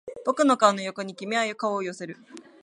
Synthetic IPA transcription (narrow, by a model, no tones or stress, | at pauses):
b̥o̞kɯ̟nokanojo̞ko̞ɲ̟ikʲimʲiajɯkaoːjo̞se̞ɾɯ̟